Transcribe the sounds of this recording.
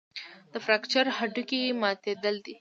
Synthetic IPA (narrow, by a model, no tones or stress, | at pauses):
d̪əfɾakt͡ʃəɾhaɖukijemɑt̪ed̪əld̪i